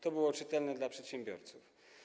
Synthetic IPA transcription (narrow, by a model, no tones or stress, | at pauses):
t̪ɔbɘwɔt͡ʂɘt̪ɛlnɛd̪lapʂɛt̪ɕɛmbʲjɔ̰ɾt̪suf